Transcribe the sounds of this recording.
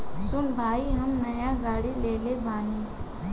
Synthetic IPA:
sʊnbʱaːiɦəmnəjaɡaːɽileːlebaːni

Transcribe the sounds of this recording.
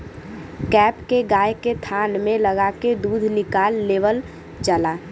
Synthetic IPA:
kɛːpkeɡaːjket̪ʰanmẽləɡaked̪uːd̪ʱnɪkaːlːeːʋəl | t͡ʃalaː

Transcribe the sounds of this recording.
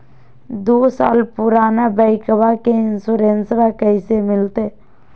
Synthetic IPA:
d̪oːsa̰ːlpʊɾaːnabəɪkəbakeɪnsuːɾensʋakəɪsemɪlt̪eː

